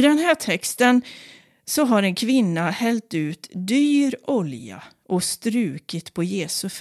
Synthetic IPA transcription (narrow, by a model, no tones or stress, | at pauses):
d̪ɛnɦæːʈʰɛkst̪ən | sɔɦaɾɛnkʰvɪnːahɛlt̪ʉ̟ːt̪d̪yːɾɔlja̰ʔɔst̪ɾʉ̟ːkɪt̪pʰɔjeːsɵf